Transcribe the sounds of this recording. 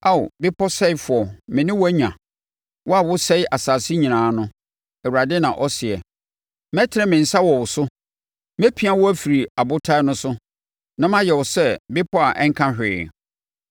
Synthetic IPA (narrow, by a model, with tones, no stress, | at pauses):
a̰˦˨bɪ˦pʰɔ˦sɛ˦ɪ˦fʊ˨ɔ˨mɪ̃˨nɪ̃˦wæ˦ɲã̰˨ | wɔ˦a˨wʊ˦sɛ˦ɪ˦ʔa˨saː˨sɪ˦ɲĩ˨nãː˨˦nʊ̃˦ | ɛ˨wu˨ɾa˨dɪ˦nã˨ʔɔ˦sɪ˨ɛ̰˨ | mɛ˦tʰɪ˦ɾɛ˦mɪ̃˨n̩˨sa˦wɔ˨wʊ˨sʊ˦ | mæ˦pʰi˦a˦wɔ˦æ˦fi˨ɾi˨a˨bʊ˦tʰa˦nʊ̃˦sʊ˦ | nã˨mã˦jɛ˨wʊ˨sɛ˦bɪ˦pʰɔ˦a˨ʔɛ˦ŋ̩˦kʰã˦hᶣɪ˨